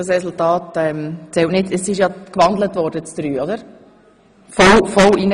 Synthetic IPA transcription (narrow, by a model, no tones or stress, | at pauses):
ɑsɾɛsultɑːtɛmt͡sɛltnɪtɛsɪʃjɑkʋɑndlətʋɔɾdət͡sd̥̪ɾyːɔdəɾ | fɔlfɔlinə